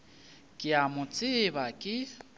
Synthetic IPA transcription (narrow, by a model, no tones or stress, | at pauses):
kʼɪamʊt͡sʼɪβakʼɪ